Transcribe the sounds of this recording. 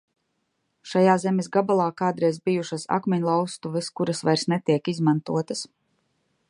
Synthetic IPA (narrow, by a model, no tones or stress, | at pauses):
ʃajaːzɛmisɡabalˠaːkaːd̪ɾɛjzbijuʃasa̰kmɛɲlˠawst̪uvɛskuɾasvajɾsnɛt̪iɛkizmant̪uɔt̪as